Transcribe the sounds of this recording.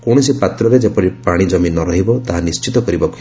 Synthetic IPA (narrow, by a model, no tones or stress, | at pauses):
kɔɽ̃ɔsipat̪ɾɔɾed͡ʒepɔɾipaɽ̃id͡ʒɔminɔɾɔɦibɔt̪aɦanist͡ʃit̪ɔkɔɾibɔk